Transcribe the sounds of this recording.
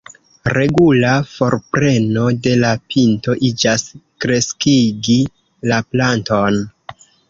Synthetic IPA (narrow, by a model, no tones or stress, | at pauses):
ɾe̞ɡulafo̞ɾpɾe̞no̞de̞lapʰinto̞ʔid͡ʒaskɾe̞skiɡi | laplanton